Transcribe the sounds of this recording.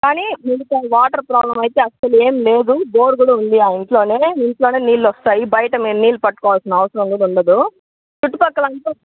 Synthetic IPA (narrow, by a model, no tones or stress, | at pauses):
kaːniːmiɽut̪ɐʋaːʈɐɾpɾaːblɐmɐjt̪eːɐsɐlueːmle̞ːd̪ubo̞ːɽɡuɽɐund̪iaːiɳʈlo̞ːne̞ːiɳʈlo̞ːne̞ːniːlːɔst̪aːjibɐjɐʈɐmiːɾniːlːupɐʈːukɔːʋalsinɐɐʋɐsɐɾɐŋɡuluɳɖɐd̪u | t͡ʃuʈːupɐkːɐlɐnpu